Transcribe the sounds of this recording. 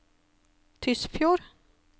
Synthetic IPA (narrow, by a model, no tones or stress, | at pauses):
t̪ʰʏsfjuːɾ